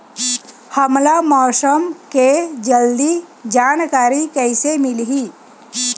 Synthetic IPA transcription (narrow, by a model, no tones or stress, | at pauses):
həmlamɔsəmked͡ʒəld̪id͡ʒankaɾikəɪsemilɦi